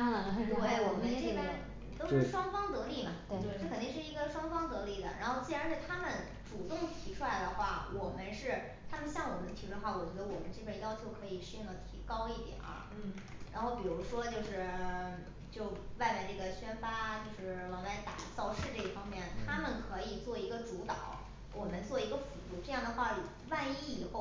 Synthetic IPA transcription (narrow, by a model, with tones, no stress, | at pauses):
e˥˩wɔ˨˩mə˦nʈ͡ʂe˥˩pə˥˩ | t̪o˥ʊɻ̩˩˥˧ʂwɑ˥ŋfɑ˥ŋt̪ɤ˧˥li˥˩mɐ˨˩˧kʰə˨˩nt̪i˥˧ŋ˧ʂɻ̩˥˩i˧˥ɡə˧ʂwɑ˥ŋfɑ˥ŋt̪ɤ˧˥li˥˩d̪ə̰˩ɻa̰˧˥nxo˥˧ʊt͡ɕi˥˩ɻa˧˥nt̪a˥˩ɪt̪ʰa˥mə˨n | ʈ͡ʂu˨˩t̪ʊ˥˩ŋt̪ʰi˧˥ʈ͡ʂʰu˥la˧˥ɪd̪ə˧xwa˥˩wʔɔ˨˩mə˦nʂɻ̩˥˩ | t̪ʰa˥mə˨nɕjɑ˥˩ŋwɔ˨˩mə˦ntʰwxwa˥˩wɔ˨˩t͡ɕɥɛ˧˥d̪ə˧wɔ˨˩mə˦nʈ͡ʂɤ˥˩pə˥˩jɑ˥ʊt͡ɕʰjo˧˥ʊkʰɤ˧˥i˨˩ʂɻ̩˥˧i˥˩ŋlə˩t̪ʰi˧˥kɑ˥ʊi˥˩t̪jɛ̰˨˩nʔɐ̰˧ | ɻa̰˧˥nxo˥˩ʊpi˨˩ɻu˧˥ʂwɔ˥t͡ɕjo˥˧ʊʂɻ̩˥˩ | t͡ɕjo˥˧ʊwa˥˧ɪpa˥˧ɪʈ͡ʂɤ˥˩ɡə˩ɕɥɛ˥nfa˥t͡ɕjo˥˧ʊʂɻ̩˥˩wɑ˧˥ŋla˧˥ɪt̪a̰˨˩t͡sɑ˥˧ʊʂɻ̩˥˧ʈ͡ʂɤ˥˧i˥˩fɑ˥ŋmjɛ˥˩nt̪ʰa˥mə˨nkʰɤ˧˥i˨˩t͡swɔ˥˩i˧˥ɡə˧ʈ͡ʂu˧˥t̪ɑ̰˨˩˦ʊ | wʔɔ˨˩mə˦nt͡swɔ˥˩i˧˥ɡə˧fu˧˥t̪u˥˩ʈ͡ʂɤ˥˧jɑ˥˩ŋd̪ə˩xwa˥˩ɻu˨˩ | wa˥˧ni˥˩i˨˩xo˥˩ʊ